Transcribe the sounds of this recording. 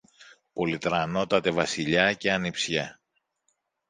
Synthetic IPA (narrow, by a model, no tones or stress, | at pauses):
po̞lit̪ɾɐno̞t̪ɐt̪e̞vɐsiʎɐce̞ɐnipsçɐ